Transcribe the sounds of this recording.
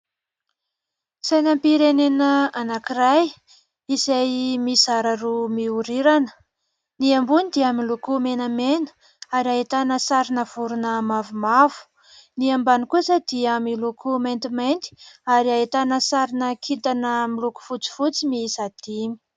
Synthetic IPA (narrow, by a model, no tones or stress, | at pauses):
sajnampiɾenenəanakiraj | izajmisaɾarumiuɾiɾanə̥ | niambunid̪iamilukumenəmenə̥ | aɾiaɦet̪anəsaɾinəv̥uɾunəmavumavu̥ | niambanikusəd̪iamilukumejnt̪imajnt̪i̥aɾiaet̪anəsaɾinəkʰit̪anəmiluku̥fut͡si̥fut͡simisad̪̥imi̥